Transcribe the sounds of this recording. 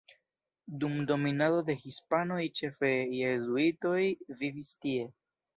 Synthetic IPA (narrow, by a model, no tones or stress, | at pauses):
dumdo̞minado̞de̞xispano̞jt͡ʃe̞fejezuito̞jvivistie̞